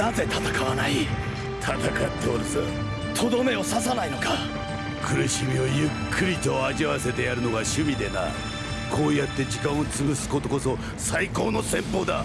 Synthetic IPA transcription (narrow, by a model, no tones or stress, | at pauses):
naze̞t̪at̪akaβanai | t̪ʰat̪akat̪ʰːeoɾzɨ̰ | t̪ʰo̞d̪o̞me̞o̞sas̬anaino̞ka | kʰɯ̟ɾɯ̟ɕimʲio̞jɯkʰːɯɾʲit̪o̞aʑiβase̞t̪e̞jaɾɯ̟no̞ɡaɕɨmʲid̪ena̰ | kʰo̞ːjat̪ːe̞d͡ʑikãɰ̃ot͡sɨbɯsɨ̥ko̞t̪o̞ko̞so̞ | saiko̞ːno̞sẽ̞mpo̞ːd̪a̰